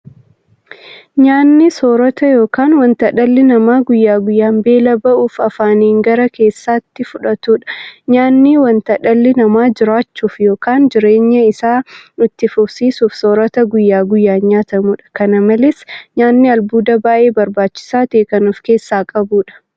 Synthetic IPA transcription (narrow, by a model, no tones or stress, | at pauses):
ɲaːnːɪsoːɾɐt̪ɐjo̞ːkaːnwɐnt̪ɐᶑɐlːɪnɐmaːɡʊjːaːɡʊjːaːmbe̞ːlɐbɐʔuːfɐfaːniːŋɡɐɾɐke̞ːsːaːt̪ːɪfʊᶑɐt̪uːᶑɐ̥ɲaːnːiwɐnt̪ɐᶑɐlːɪnɐmaːd͡ʒɪɾaːt͡ʃːuːfjo̞ːkaːnd͡ʒɪɾe̞ːɲːɐɪsaːʊt̪ːɪfʊbsiːsuːfsoːɾɐt̪ɐɡʊjːaːɡʊjːaːɲaːt̪ɐmuᶑɐ̥kɐnɐmɐlɛsɲaːnːɪɐlbuːd̪ɐbaːʔe̞ːbɐɾbaːt͡ʃːɪ̥saːt̪e̞ːkɐnuːfke̞ːsːaːkʼɐbuːᶑɐ̥